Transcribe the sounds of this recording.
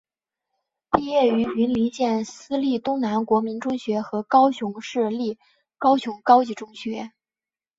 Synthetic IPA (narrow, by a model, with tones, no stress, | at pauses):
pi˥˧jɛ˥˩y˧˥y˧˥nli˧˥nɕjɛ˥˩nsɹ̩˥li˥˩t̪ʊ˥ŋna˧˥nkwɔ˧˥mi˧˥nʈ͡ʂʊ˥ŋɕɥɛ˧˥xɤ˧˥kɑ˥ʊɕʊ˧˥ŋʂɻ̩˥˧li˥˩ | kɑ˥ʊɕjʊ˧˥ŋkɑ˥ʊt͡ɕi˧˥ʈ͡ʂʊ˥ŋɕɥɛ˧˥